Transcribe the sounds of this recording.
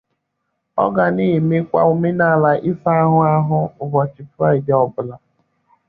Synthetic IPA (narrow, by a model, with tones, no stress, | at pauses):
ɔ̰˦ɡa˨niː˦˨me˦kʷa̰˦u˨me˦na˦˨la˨ʔɪ˦sa˦a˦ɦʊ˦a˦ɦʊ˦ʊ˨vɔ˨t͡ʃɪ˨pɾa˦˨ɪ˨dɪ˨ɔ˨bʊ˨la˨